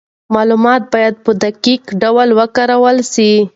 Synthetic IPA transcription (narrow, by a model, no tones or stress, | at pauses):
mɑlumɑt̪̚bɑjad̪̚pəd̪akikɖawəlwəkaɾawəlsi